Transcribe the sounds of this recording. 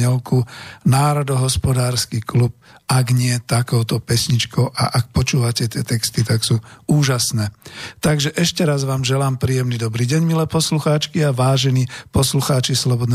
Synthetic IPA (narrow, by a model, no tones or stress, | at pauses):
ɛlkunaːɾɔd̪ɔɦɔspɔd̪aːɾskiklup̚aɡɲɪɛt̪akɔʊt̪ɔpɛsɲit͡ʃkɔʊʔa̰ʔak̚pɔt͡ʃuːʋacɛt̪ɪɛt̪ɛkst̪it̪aksuːuːʒasnɛːt̪aɡʒɛʔɛʃcɛɾazʋaːmʒɛlaːmpɾiːjɛmnid̪ɔbɾiːɟɛɲmilɛːpɔsluxaːt͡ʃkiaʋaːʒɛniːpɔsluxaːt͡ʃislɔbɔd̪n